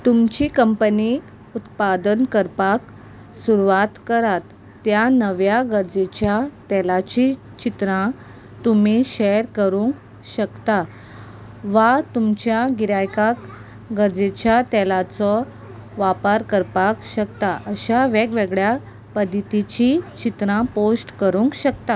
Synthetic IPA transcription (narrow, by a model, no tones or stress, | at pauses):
t̪umt͡ɕiːkəmpəni | ut̪pad̪ənkəɾpak | suɾuʋat̪kəɾat̪ː | janəʋjaɡəɾd͡zet͡ɕjat̪ɛlat͡ɕi | t͡ɕit̪ɾã | t̪um̤iɕeɾkəɾũŋk | ɕəkt̪a | ʋat̪umt͡ɕjaɡiɾajkak | ɡəɾd͡ʑet͡ɕjat̪ɛlat͡sɔ | ʋapaɾkəɾpakɕəkt̪aʔəɕaʋeɡʋeɡɭja | pəd̪it̪it͡ɕit͡ɕit̪ɾãposʈkəɾuŋkɕəkt̪a